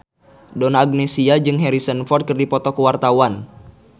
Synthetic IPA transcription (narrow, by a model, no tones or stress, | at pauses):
donaːɡ̚nesiad͡ʒɨŋɦɛɾisənfɔrt̪̚kɨrdipɔt̪ɔkəwart̪awan